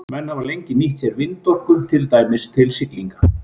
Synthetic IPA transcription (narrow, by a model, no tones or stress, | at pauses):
mɛnhavalejɲcɪniht̪sjɛɾvɪnt̪ɔhkʏt̪ʰɪlt̪aːjmɪst̪ʰɪlsɪkliŋka